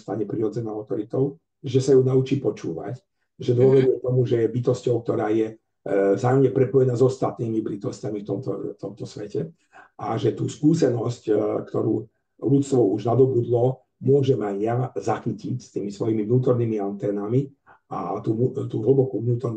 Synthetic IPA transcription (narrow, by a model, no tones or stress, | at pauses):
st̪aɲɛpɾiɾɔd͡zɛnaːaʊt̪ɔɾit̪ɔʊ | ʒɛsajunaut͡ʃiːpɔt͡ʃṵːʋa̰c | ʒɛd̪ʊɔʋɔd̪ɛt̪ɔmuʒɛjɛbit̪ɔscɔʊk̚t̪ɔɾaːjɛ | zaːjɔmɲɛpɾɛpɔjɛnaːzɔst̪at̪niːmibɾit̪ɔscamift̪ɔmt̪ɔ̰t̪ɔmt̪ɔsʋɛcɛ | ʔaʒɛt̪uːskuːsɛnɔsckt̪ɔɾṵː | lutt͡st̪ʋɔuʒnad̪ɔbud̪lɔ | mʊɔʒɛmajjazaxicicst̪iːmisʋɔjimivnuːt̪ɔɾniːmiant̪ɛːnami | a̰t̪ut̪uːɦl̩bɔkuvnuːt̪ɔɾn